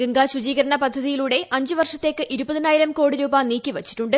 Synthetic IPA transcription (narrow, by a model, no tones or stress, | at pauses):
ɡɨŋɡaːɕud͡ʑiːɣɐɾɐɳɐpɐd̪ʱːɐðijiluːɽe̞ʔɐɲd͡ʑɨʋɐrʂɐt̪ːe̞ːkːɨʔiɾubɐðinaːjiɾɐmko̞ːɽiɾuːbaːniːkʲːiʋɐt͡ɕːi̥ʈːuɳɖɨ